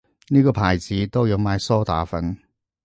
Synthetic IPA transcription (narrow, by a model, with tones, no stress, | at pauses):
niː˥kɔː˧pʰaː˨˩jt͡siː˨˥t̪o˥wjɐ˨˧wmaː˨˧jsɔː˥t̪a̰ː˨˥fɐ˨˥n